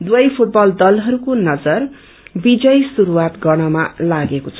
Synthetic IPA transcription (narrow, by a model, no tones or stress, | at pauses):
d̪wʌjpʰuʈ̚bʌld̪ʌlɦʌɾukonʌd͡zʌr | bid͡zʌjsuɾuwat̪ɡʌɽ̃ʌmalaɡekot͡sʰʌ